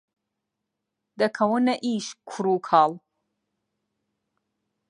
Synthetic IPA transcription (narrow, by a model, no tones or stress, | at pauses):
d̪ɐkʰɐwənɐʔiːʃkʰuɾuːkʰaːl